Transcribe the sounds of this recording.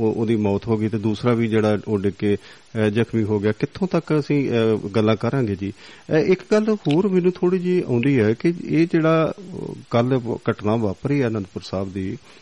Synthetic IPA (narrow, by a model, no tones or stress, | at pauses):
oːd̪iːmɔːt̪ɦoːɡiːt̪eːd̪uːsɾaːʋiːd͡ʒeːɽaːoːɖɪkːeː | d͡ʒəkʰmiːɦoːɡɪjaːkɪt̪ʰːõːt̪əkəsĩːɡəlːãːkəɾãːɡeːd͡ʒiːɪkɡəlhoːɾmɛ̃ːnũːt̪ʰoːɽiːd͡ʒiːã̰ːnd̪iːɛːkɪeːd͡ʒeːɽaːkəlkəʈnãːʋaːpɾiːɛːnə̃nd̪pʊɾsaːbd̪iː